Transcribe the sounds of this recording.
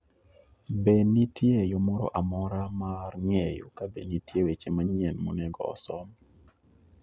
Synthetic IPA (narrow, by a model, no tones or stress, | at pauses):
benitjejɔmɔɾɔ̰ʔamɔɾamarŋejo̰kabenitjewet͡ʃemaɲɪɛnmo̰nɛɡɔ̰ɔ̰sɔm